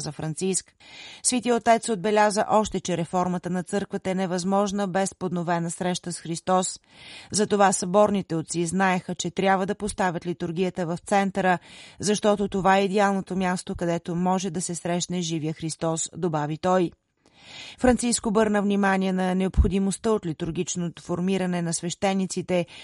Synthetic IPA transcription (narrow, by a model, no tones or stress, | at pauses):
zəfɾɐnt̪sisk | svit̪iot̪ɛt̪sod̪̚bɛlʲazəʔɔʃt̪ɛt͡ʃɛɾɛfɔɾmət̪ənɐt̪sɤɾkvət̪əɛnɛvɐzmɔʒnəbɛspod̪novɛnəsɾɛʃt̪əsxɾist̪ɔs | zɐt̪ovasɐbɔɾnit̪ɛot̪siznaɛxət͡ʃɛt̪ɾʲabvəd̪ɐpost̪avʲət̪lit̪ʊɾɡʲijət̪əvɐft̪sɛnt̪əɾəzɐʃt̪ɔt̪ot̪ovaɛid̪ɛalˠnot̪omʲjast̪okɐd̪ɛt̪omɔʒɛd̪ɐsɛsɾɛʃnɛʒivijəxɾist̪ɔsd̪obavit̪ɔj | fɾɐnt̪siskoːbɤɾnəvnimaniɛnɐnɛopxod̪imost̪əot̪lit̪ʊɾɡʲit͡ʃnot̪ofoɾmiɾənɛnɐsvɛʃt̪ɛnːit̪sit̪ɛ